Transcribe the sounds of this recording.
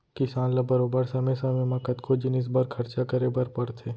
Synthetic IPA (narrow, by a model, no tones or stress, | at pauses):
kɪsaːnlɐbɐɾoːbəɾsɐməsɐmemɐkət̪kod͡ʒɪnɪs̬bɐɾkʰɐɾt͡ʃakɐɾebɐɾpɐɽt̪ʰeː